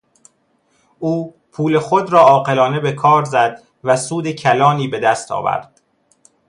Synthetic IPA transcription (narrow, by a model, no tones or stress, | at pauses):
uː | pʰuːle̞xod̪ɾɒːɒːqe̞lɒːne̞be̞kʰɒːɾzæd̪ | væsuːd̪e̞cʰælɒːniːbe̞d̪æst̪ʰɒ̰ːvæ̰ɾd̪̥